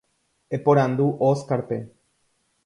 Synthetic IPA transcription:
epoɾãnd̪uʔoskaɾpe

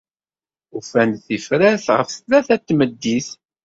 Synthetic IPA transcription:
ufænθifɾæθʁə̰fθlæθæt̪ːməd̪ːiθ

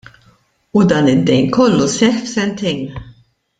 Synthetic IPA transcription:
ud̪ɐːnɪd̪ːɛjnkɔlːusɛħfsɛnt̪ɛjn

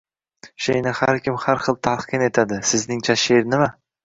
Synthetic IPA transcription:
ʃejnɪhaɾkʲʰɪmhaɾχɨlˠt̪ʰaqʰɨne̞t̪ʰad̪ɪsɪznɪŋt͡ʃʰaʃeɾnɪma

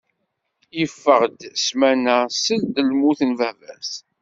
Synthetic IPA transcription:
jəfːəʁd̪smænæsəld̪əlmuθənvævæs

